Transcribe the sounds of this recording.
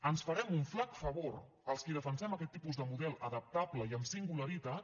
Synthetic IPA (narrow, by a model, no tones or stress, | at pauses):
ənsfəɾɛmuɱflakfəβoɾ | əlˠskiðəfənsɛməkɛt̪ːipuzðəmuðɛlˠəðəp̚t̪abləiəmsiŋɡuləɾit̪at̪